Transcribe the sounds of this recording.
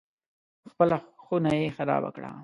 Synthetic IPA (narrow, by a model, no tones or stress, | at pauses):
xpəlaxunajexaɾɑ̰ba̰kɽa̰